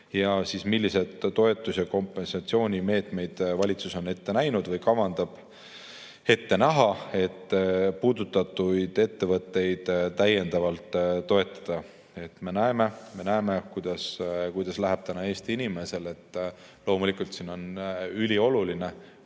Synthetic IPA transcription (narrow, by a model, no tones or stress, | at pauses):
jɑsismilʲːise̞d̪̥t̪o̞e̞t̪ːˑusjɑko̞mpːˑe̞nsɑt̪sio̞ːnʲime̞ːt̪ˑme̞jd̪̥vɑlʲit̪suso̞ne̞t̪ːe̞næjnud̪vɤjkɑvɑnd̪̥ɑb̥ | e̞t̪ːe̞næɦɑe̞t̪ːˑpuːd̪̥ut̪ːˑɑt̪ːujd̪̥e̞t̪ːe̞vɤt̪ːe̞jd̪̥t̪æje̞nd̪̥ɑvɑlt̪ːo̞e̞t̪ːˑɑ̥d̪̥ɑ | e̞t̪me̞næeme̞me̞næeme̞kujd̪̥ɑskujd̪̥ɑslæɦæb̥t̪ænɑe̞ːst̪iinime̞se̞le̞t̪ː | lo̞ːmulikult̪siːno̞nylʲio̞luline̞